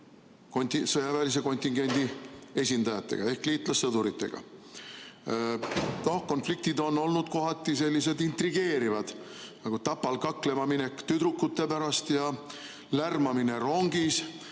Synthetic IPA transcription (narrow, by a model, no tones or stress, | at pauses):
kont̪isɤjɑvæːlis̬e̞ko̞nʲt̪ʲːˑiŋɡ̥e̞nʲd̪̥ie̞sʲind̪ɑjɑt̪ːˑe̞̰ɡ̥ɑe̞hkliːt̪ˑlɑsːɤd̪̥uɾit̪ːe̞̰ɡ̥ɑ̰ | no̞hko̞nflik̚t̪id̪o̞nːo̞lnud̪̥ko̞ɦɑt̪ːˑise̞lʲːise̞d̪int̪ɾiɡ̥e̞ːɾivɑd̪̥nɑɡ̥ut̪ɑpːɑlkɑkːle̞mɑmine̞kːt̪yd̪ɾukːˑut̪ːe̞pæɾɑst̪jɑ | lærmɑmine̞ɾo̞ŋɡ̥is